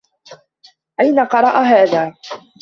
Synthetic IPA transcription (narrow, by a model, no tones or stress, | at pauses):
ʔajnaqɑɾˤɑʔaɦaːðaː